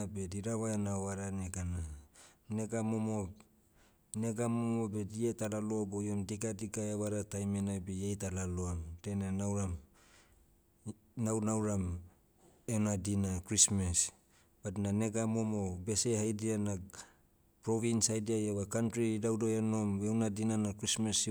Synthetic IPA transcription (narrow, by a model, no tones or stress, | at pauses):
abediɾaβaenaoaɾaneɡananeɡamomo | neɡamomobedietalaloabojomdiɡadiɡaeβaɾatajmenabejejtalaloamdenanawɾam | nawnawɾam | enadinakɾismes | b̥atnaneɡamomobe̞se̞hajdiana | pɾoβinsajdiajeβakantɾidawdoeno̞mewnadinanakɾismes